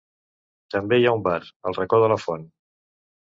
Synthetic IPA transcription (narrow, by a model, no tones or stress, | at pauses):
t̪əmbeiaumbarə̰lˠrəkɔðələfɔn